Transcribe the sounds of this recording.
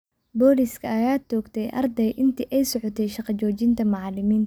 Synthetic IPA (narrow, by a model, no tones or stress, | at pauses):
bɔːliskʰɐɐjaːd̪t͡ʃɔːɡt̪ʰɛjʔɐ̰rd̪ɛjʔɪnt̪ʰiʔɛjsɔʕɔt̪ʰɛjʃɑqɑt͡ʃɔːt͡ʃɪnt̪ʰɐmɑʕɑlɪmiːnt̪ɐ